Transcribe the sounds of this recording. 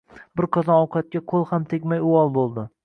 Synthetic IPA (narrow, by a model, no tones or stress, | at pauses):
bɪɾqʰɒzɒɒwqʰɑt̪̚kʲaqʰolˠhamt̪ʰekʲmajʊɒlˠbolˠd̪ɪ